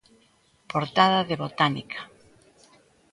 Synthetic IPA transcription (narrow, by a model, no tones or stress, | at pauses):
poɾt̪aðaðeβot̪anikʰḁ